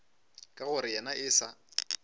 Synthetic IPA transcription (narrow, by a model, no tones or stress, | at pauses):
kʼaɣʊɾɪjanaʔɪsa